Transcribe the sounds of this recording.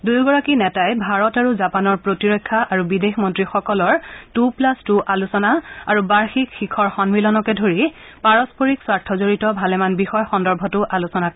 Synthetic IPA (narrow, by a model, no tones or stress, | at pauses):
dujɡɔɹakinɛtajbʱaɹɔtaɹuzapanɔɹpɹotiɹɔjkʰːaʔaɹubidexmɔntɹixɔkɔlɔɹtuplastuʔalusɔnaaɹubaɹxikxikʰɔɹxɔnbilɔnɔkɛdʱoɹi | paɹɔspoɹikswaɹtʰɔzoɹitɔbʱalɛmanbixɔjxɔndɔɹbʱɔtʊʔalusɔnak